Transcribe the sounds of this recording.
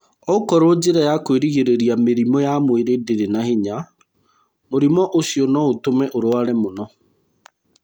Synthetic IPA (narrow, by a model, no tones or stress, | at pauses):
ɔkɔɾod͡ʑeɾajakweɾiɣeɾeɾiameɾimɔjamweɾedeɾenahiɲa | moɾimɔʔosiɔnɔotomɛʔoɾoaɾɛmonɔ